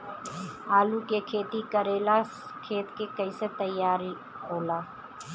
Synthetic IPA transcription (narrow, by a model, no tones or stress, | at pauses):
aːlukekʰeːt̪ikəɾeːla | kʰeːt̪kekəɪset̪əjːaːɾi | ɦoːlaː